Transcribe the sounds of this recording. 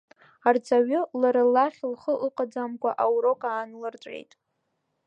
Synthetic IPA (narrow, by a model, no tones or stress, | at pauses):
art͡sʰʼaɥʊlaɾalːaχʲlχəʔɨqʼad͡zamkʷaʔawɾokʼaːnlɨrt͡sʷʼḛjtʼ